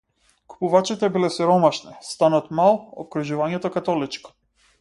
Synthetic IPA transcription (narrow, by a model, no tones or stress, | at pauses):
ku̥puvat͡ʃit̪ɛbilɛsɛɾɔmaʃnɛst̪anɔt̪malˠɔ̰kɾuʒuvaɲɛt̪ɔkat̪ɔlit͡ʃkɔ̥